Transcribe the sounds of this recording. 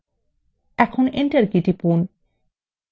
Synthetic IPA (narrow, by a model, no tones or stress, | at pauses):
ɛkʰoneɳʈɐɾkiʈipun